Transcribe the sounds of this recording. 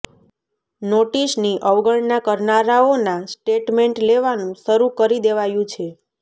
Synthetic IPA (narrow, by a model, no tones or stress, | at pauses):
noʈisniʔəʋɡəɭnakəɾnaɾaonasʈeʈmeɳʈleʋanũʃəɾũkəɾid̪eʋajũt͡ʃʰe